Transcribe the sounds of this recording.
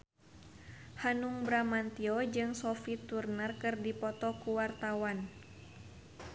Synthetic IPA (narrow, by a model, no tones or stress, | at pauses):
hanuŋbɾamant̪iɔd͡ʒɨŋsɔfit̪urnərkɨrdipɔt̪ɔkuwart̪awan